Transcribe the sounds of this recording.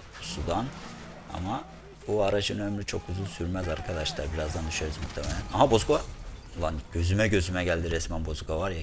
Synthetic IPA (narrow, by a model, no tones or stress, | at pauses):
sud̪an | a̰ma | buaɾad͡ʒɯnønɛmlʲit͡ʃʰo̞̰kʰːuzulˠsyɾmæzaɾkʰad̪aʃlˠaɾbiɾazd̪and̪yʃøɾuzmuxt̪ʰemɛlʲænamabo̞zkaulˠanɟ̥ø̞zymɛɟø̞zymɛɟælʲd̪iɾɛsmænbo̞zkʰavaɾj